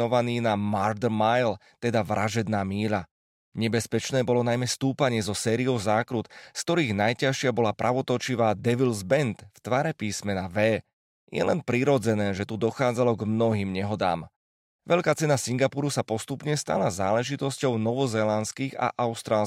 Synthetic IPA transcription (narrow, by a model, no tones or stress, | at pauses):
ɔʋaniːnamaɾd̪majlt̪ɛd̪aʋɾaʒɛd̪naːmiːla | ɲɛbɛspɛt͡ʃnɛːbɔlɔnajmɛst̪uːpaɲɪɛzɔsɛːɾiɔʊzaːkɾut̪skt̪ɔɾiːɣnajcaʃɪabɔlapɾʔaʋɔt̪ɔt͡ʃiʋaːd̪ɛʋilzbɛnt̪ft̪ʋaːɾɛpiːsmɛnaʋɛː | jɛ̰lɛnpɾiɾɔd͡zɛnɛːʒɛt̪ud̪ɔxaːd͡zalɔɡmnɔɦiːmɲɛɦɔd̪a̰ːm | ʋɛʎkaːt͡sɛnasiŋɡapuɾusapɔst̪upɲɛst̪a̰lazaːlɛʒit̪ɔscɔʊnɔʋɔzɛːlanskiːɣa̰ʔaʊst̪ɾaːl